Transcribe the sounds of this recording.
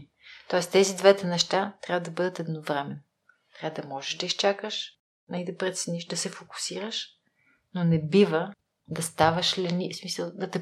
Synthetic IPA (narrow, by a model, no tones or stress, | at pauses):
t̪ɔɛst̪ɛzid̪vɛt̪ɛnɛʃt̪at̪ɾjavəd̪ɐbɤd̪ət̪ɛd̪novɾɛmɛn | t̪ɾʲavəd̪ɐmɔʒɛʃd̪ɐist͡ʃakəʃ | nɐid̪ɐpɾɛt̪sɛniʃd̪ɐsɛfoku̥siɾəʃ | nonɛbivə | d̪ɐst̪avəʃlɛnismisəlˠd̪ɐt̪ɛ